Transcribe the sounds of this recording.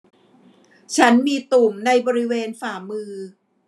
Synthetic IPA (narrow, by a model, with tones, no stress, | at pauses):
t͡ɕʰa˦˥nmiː˧t̪u˨˩mna˧jbɔː˧ɾi˦˥weː˧nfaː˨˩mɯː˧